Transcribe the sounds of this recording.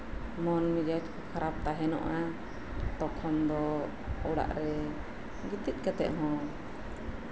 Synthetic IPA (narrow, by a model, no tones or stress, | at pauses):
mɔnmid͡ʒat͡ʃkɔkʰaɾap̚t̪aɦɛnɔ̰ʔa | t̪ɔkʰɔnd̪ɔ | ɔɽa̰ʔɾɛ | ɡit̪it̪̚kat̪ɛ̰ʔɦɔ̃